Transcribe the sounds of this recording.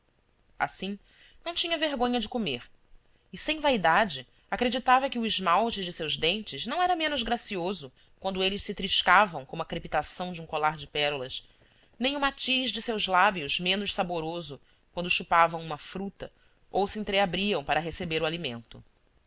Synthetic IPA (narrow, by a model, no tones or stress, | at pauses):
a̰sĩ | nɐ̃w̃t͡ʃĩɲɐveɦɡõɲɐd͡ʒɪkomeɾ | ɪsẽj̃vaid̪ad͡ʒɪ | akɾed͡ʒit̪avɐkɪʊɪʒmawt͡ʃɪd͡ʒɪsewʒd̪ẽnt͡ʃɪznɐ̃w̃ɛɾɐmẽnʊzɡɾasiozʊ | kwɐ̃nd̪ʊelɪʃsɪt̪ɾiʃkavɐ̃w̃kõmʊɐkɾepit̪asɐ̃w̃d͡ʒũkolaɾd͡ʒɪpɛɾulɐʃ | nẽj̃ʊmat͡ʃiʒd͡ʒɪsewzlabiʊzmẽnʊʃsaboɾozʊ | kwɐ̃nd̪ʊʃupavɐ̃w̃ũmɐfɾut̪ɐ | owsiẽnt̪ɾeabɾiɐ̃w̃paɾɐɦesebeɾʊalimḛ̃nt̪ʊ